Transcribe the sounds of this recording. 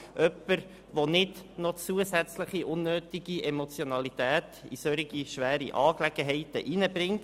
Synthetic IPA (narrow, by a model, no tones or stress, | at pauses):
ʔœpːəɾ | ʋonɪdnot͡suəsæt͡sləχiʔʊnːøːtiɡiʔɛmot͡sjonɑlit̪æːtḭsøɾiɡ̥iʃʋæːɾiʔɑːklɛɡ̥əɦɛɪtə̰ʔinəbɾɪŋt